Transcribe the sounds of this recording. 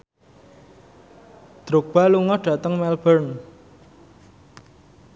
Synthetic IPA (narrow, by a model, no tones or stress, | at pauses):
d̪̥ɾok̚b̥a̤luŋɔɖ̥ä̤t̪əŋmɛlbərn